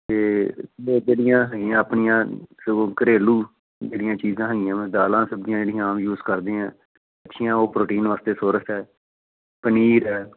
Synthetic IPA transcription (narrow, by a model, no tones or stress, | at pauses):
t̪eːed͡ʒeːɽɪjãːɦɛɪãːəpɳɪjãːsokəɾeːluː | d͡ʒeːɽɪjãːt͡ʃiːzãːɦɛɡɪjãːmɛ̃ːd̪aːlãːsəbd̪ɪjãːd͡ʒeːɽɪjãːmjuːzkəɾd̪ẽːãː | ətːʃʰɪjãːoːpɾoːʈiːnʋaːst̪eːsoːɾəsɛː | pəniːɾɛː